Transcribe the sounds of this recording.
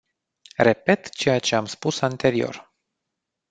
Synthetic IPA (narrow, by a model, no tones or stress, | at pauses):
re̞pe̞t̪t͡ʃe̞jat͡ʃe̞amspusant̪e̞ɾio̞̰r